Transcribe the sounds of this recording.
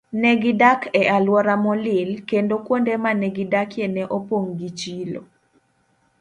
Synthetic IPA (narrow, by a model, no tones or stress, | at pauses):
nɛɡidakʰɛʔalwɔɾamɔlɪlkendokwondɛmanɛɡidakjenɛʔopoŋɡit͡ʃilo̰